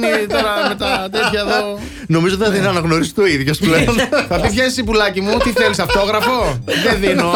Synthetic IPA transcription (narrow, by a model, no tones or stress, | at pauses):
nit̪oɾɐme̞t̪ɐt̪et̪çɐeðo | no̞mizot̪iθɐðinɐnɐɣno̞ɾist̪oiðʝospleonθɐpipçɐisipulɐcimut̪iθe̞lisɐft̪o̞ɣɾɐfo̞ðeðino